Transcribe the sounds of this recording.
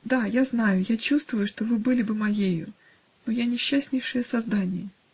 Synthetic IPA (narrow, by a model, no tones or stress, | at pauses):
d̪ajaznajʊjat͡ɕust̪vʊjʊʂt̪ovɨbɨlʲɪbɨmɐjejʊ̰ | nojanʲɪɕːasʲnʲɪjʂɨjəsɐzd̪anʲɪjə